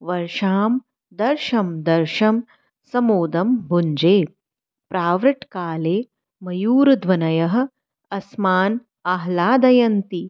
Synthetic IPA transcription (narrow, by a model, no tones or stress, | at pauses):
ʋɐɾʃaːm | d̪ɐɾʃɐmd̪ɐɾʃɐm | sɐmoːd̪ɐmbʱuɲd͡ʒeː | pɾaːʋɾɐʈkaːleː | mɐjuːɾɐd̪ʋɐnɐjɐɦɐ̆ | ɐsmaːn | ɐɦlaːd̪ɐjɐnt̪i